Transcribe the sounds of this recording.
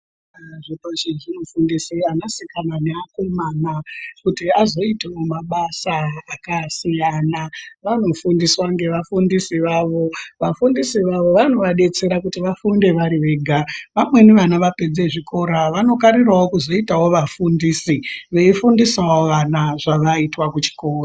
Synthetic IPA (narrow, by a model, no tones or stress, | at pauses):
ʐipoʃiʐinofundisianasikananeakwemaːnakutiazo̞itewomaɓasaːkasijanaʋano̞fundiswaŋɡe̞ʋafundisiʋaʋo̞ʋafundisiʋaʋo̞ʋano̞ʋaɗe̞t͡se̞ɾakutiʋafunde̞ʋaɾiʋe̞ɡʱaʋamwe̞neʋanaʋape̞d͡ze̞ʐiko̞ɾaʋano̞kaɾirwawo̞kuzo̞itawoʋafundiːsiʋeifundisawoʋanaʐaʋaitwakut͡ʃi̥ko̞ːraa